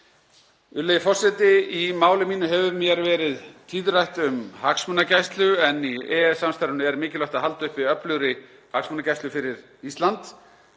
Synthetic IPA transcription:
ʏlejɪfɔr̥sɛt̪ɪimaːwlɪmiːnʏɦɛvʏmjɛɾvɛːɾɪðt̪ʰiːðrajht̪ʏmhaksmʏnːacajst̪lʏɛnːiɛɛsːamst̪aɾʏnʏɛɾmɪːcɪlœht̪aɦalt̪ʏhpiœplʏɣɾɪ | haksmʏnacajst̪ʏfɪɾɪɾ | ist̪lant̪

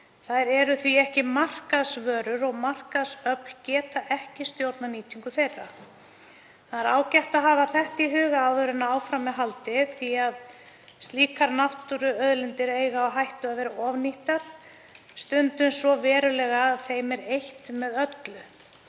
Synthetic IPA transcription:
θaðɾɛɾʏθviɛhcɪmar̥kaðsvœːɾʏɾɔɣmar̥kaðsœpn̥cɛːt̪aʔɛhcɪst̪jowɾt̪naniːt̪ʰiŋkʏθejrːa | θaðɛɾaːwcɛht̪aɦaːvaθɛht̪iɦʏːɣaaðœɾʏnːaaːwfɾamːɛðɦalt̪ɪθiað | st̪liːkaɾnaht̪uɾʏœðlɪnt̪ɪɾeːjɣaːwɦajht̪ʏaðvɛːɾaɔvniht̪aɾ̥ | st̪ʏnt̪ʏnsvɔvɛːɾʏlɛːɣaːðθejmɛɾejht̪mɛðœt̪lʏ

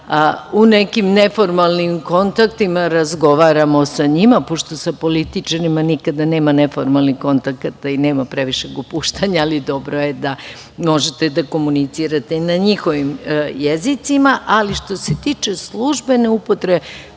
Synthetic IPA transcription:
unekimnefo̞ɾmalnimko̞nt̪akt̪imaɾazɡo̞ʋaːɾamo̞saɲimapo̞ʃt̪o̞sapo̞lit̪it͡ʃaɾimanikad̪ane̞ːmane̞foɾmalniko̞nt̪akat̪aineːmapɾe̞ʋiʃe̞ɡopuːʃt̪aɲaːlid̪o̞bɾojed̪a | mo̞ʒet̪ed̪ako̞munit̪siːɾat̪e̞inaɲixo̞ʋimjezit̪simaʔaliʃt̪o̞se̞t̪iːt͡ʃe̞slˠuʒbe̞ne̞upo̞t̪ɾebe

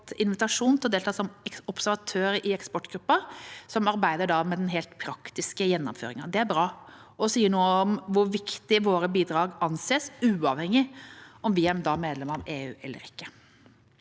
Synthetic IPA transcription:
t̪ɪnʋɪt̪ɑʂuːnt̪ʰɪlɔd̪eːlt̪ʰɑːsɔmɔpsæɾʋɑt̪ʰøːɾəʔɪɛkspɔʈːɡɾʉpːɑsɔmɑɾbæɪd̪əɖɑmɛd̪ɛnɦeːlt̪pʰɾɑkt̪ɪskəjɛnːɔ̰mfø̰ːɾɪŋɑd̪ɛæɾbɾɑː | ɔsiːənuːɔmʋʊɾʋɪkt̪ɪʋoːɾəbiːd̪ɾɑːɡɑnːseːsʉːɑʋhɛŋːɪɔmʋɪæɾd̪ɑmeːd̪lɛməɾɔmʔeːʉːʔɛ̰lːə̰ɾɪkːə

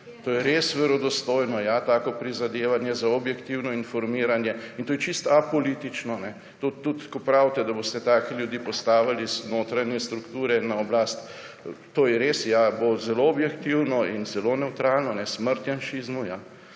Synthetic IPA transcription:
t̪oːjɛɾesʋɛɾɔd̪ɔst̪oːjnɔjat̪aːkɔpɾizad̪eːʋanjɛzaɔbjɛkt̪iwnɔinfɔɾmiːɾanjɛint̪oːjɛt͡ʃist̪apolit̪it͡ʃnɔnɛ | t̪ot̪ːut̪kɔpɾawt̪ɛd̪abost̪ɛt̪aːkɛljud̪iːpɔst̪aːʋaliznoːt̪ɾanjɛst̪ɾukt̪uːɾɛnaɔblaːst̪ | t̪oːjɛɾesjabozɛloɔbjɛkt̪iwnɔinzɛlonɛwt̪ɾaːlnɔnɛsməɾt̪janʃiːzmuja

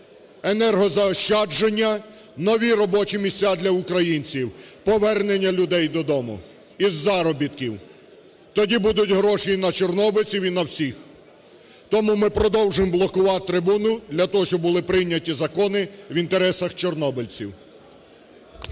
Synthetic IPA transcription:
enɛrɦɔzɐɔʃt͡ʃɑd͡ʒenʲːɐ | nɔʋʲiɾɔbɔt͡ʃimʲisʲt͡sʲad̪lʲɐʊkɾɐjinʲt͡sʲiwpɔʋɛrnenʲːɐlʲʊd̪ɛjd̪ɔd̪ɔmʊ̰ | izːɑɾɔbʲit̪kʲiw | t̪ɔdʲibud̪ʊtʲɦɾɔʃinɐt͡ʃɔrnɔbelʲt͡sʲiwinɐwsʲix | t̪ɔmumɪpɾɔd̪ɔwʒɪmblˠɔkʊʋɑt̪ɾɪbunʊd̪lʲɐt̪ɔɦɔʃt͡ʃɔbʊlˠɪpɾɪjnʲːɐtʲizɐkɔnɪʋint̪eɾɛsɐxt͡ʃɔrnɔbɪlʲt͡sʲiw

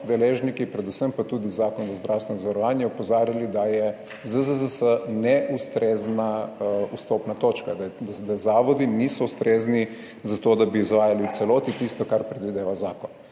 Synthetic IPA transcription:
d̪ɛleːʒnikipɾɛd̪usəmpat̪uːd̪izaːkɔnzazd̪ɾʔawst̪ʋɛnzaʋaɾɔʋaːnjɛɔpɔzaːɾjalid̪ajɛ | zəzəzəsənɛʔust̪ɾʔeːznaust̪oːpnat̪ot͡ʃkad̪d̪azaːʋɔd̪inisɔust̪ɾeːzni | zat̪oːd̪abiːzʋaːjaliutsɛloːt̪it̪ist̪ɔkaɾpɾɛd̪ʋid̪eːʋazaːkɔn

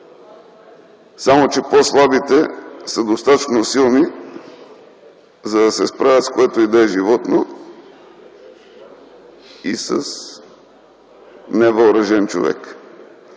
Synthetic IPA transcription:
samot͡ʃɛposlˠabit̪ɛsəd̪ost̪at̪ə̥t͡ʃnosilˠni | zɐd̪ɐsɛspɾavʲət̪skoɛt̪oid̪ɛɛʒivɔt̪no | isəs | nɛvəlɾɐʒɛnt͡ʃo̰vɛ̰k

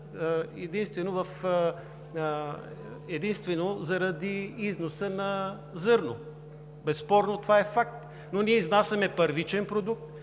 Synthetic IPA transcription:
ɛd̪inst̪vɛnovɐf | ɛd̪inst̪vɛnozɐɾɐd̪iiznosənɐ | zɤɾno | bɛsːpɔɾnot̪ovaɛfak̚t̪ | noniɛiznasʲɐmɛpəɾvit͡ʃɛnpɾod̪uk̚t̪

